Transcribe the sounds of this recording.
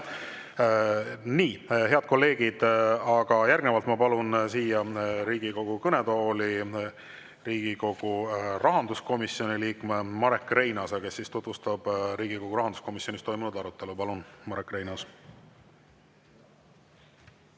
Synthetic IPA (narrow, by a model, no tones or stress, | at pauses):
niːɦe̞ɑd̪̚ko̞lːe̞ːɡ̥id̪̥ɑɡ̥ɑjærɡ̥nevɑlt̪mɑpɑlunsiːjɑɾiːɡ̥iko̞ɡ̥ukɤned̪o̞ːli | riːɡ̥iko̞ɡ̥urɑɦɑnd̪usko̞misio̞niliːkmemɑɾe̞kːre̞jnɑsɑke̞sːist̪ut̪vust̪ɑb̥ɾiːɡiko̞ɡ̥uɾɑɦɑnd̪usko̞misjo̞nʲist̪o̞jmunud̪ɑɾut̪ːˑe̞lupɑlunmɑɾekːˑre̞jnɑs